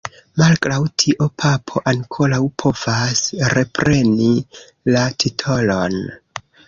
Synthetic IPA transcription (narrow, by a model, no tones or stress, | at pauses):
malkɾawtʰiʔo̞pʰapʰo̞ʔaŋkʰo̞ɾawpʰo̞v̥asɾe̞pɾe̞ni | latitʰo̞lo̞n